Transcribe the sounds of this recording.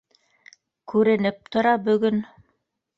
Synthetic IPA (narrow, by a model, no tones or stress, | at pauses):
kʉɾɘ̆nɘp̚t̪ŏɾɑbɵ̆ɡɵn